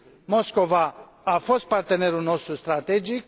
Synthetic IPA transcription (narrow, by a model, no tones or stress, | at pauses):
mo̞sko̞vaː | fo̞st̪̚part̪e̞ne̞ɾulno̞st̪ɾust̪ɾat̪e̞d͡ʒik̚